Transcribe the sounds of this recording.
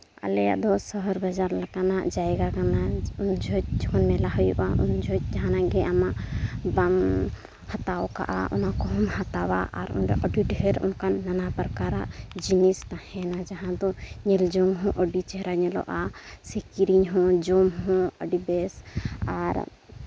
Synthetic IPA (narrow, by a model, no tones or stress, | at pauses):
a̰lɛja̰ʔd̪ɔsɔɦɔɾbad͡ʒaɾlakanaʔd͡ʒajɡakanaund͡ʒʱɔd͡ʒɔkɔnmɛlaɦɔjṵʔaʔṵnd͡ʒʱɔd͡ʒaɦãnaɡɛʔamaʔbam | hat̪awka̰ʔa̰ʔṵnakɔɦɔmhat̪aba̰ʔa̰ɾṵnɖɔ̰ʔɔɖiʈɦɛɾṵnkanːanapɾkaɾa̰ʔd͡ʒinist̪ahɛnad͡ʒaɦãd̪ɔɲɛld͡ʒɔŋɦɔ̃ʔɔɖit͡ʃɛɦɾaɲɛlɔ̰ʔasekiɾiɲɦɔ̃d͡ʒomɦɔ̃ə̰ɖibɛsaɾ